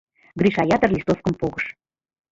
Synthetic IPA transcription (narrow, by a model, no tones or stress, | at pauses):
ɡrʲiʃɑjɑt̪ɤrlʲist̪ofkəmpoɣɤʃ